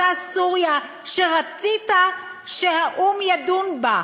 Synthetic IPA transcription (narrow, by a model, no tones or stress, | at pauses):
asuʁja | ʃeʁat͡sita | ʃehaʔumjad̪unba